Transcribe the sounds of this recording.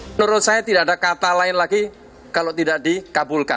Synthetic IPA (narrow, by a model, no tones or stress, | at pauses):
nuɾʊt̪̚sajat̪idaʔadakat̪alaɪnlaɡi | kalot̪idaʔdikabulka̰n